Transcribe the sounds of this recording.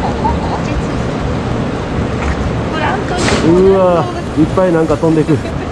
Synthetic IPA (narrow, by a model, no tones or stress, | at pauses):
ɯa | ipːainãŋkat̪õnd̪e̞kɯ̟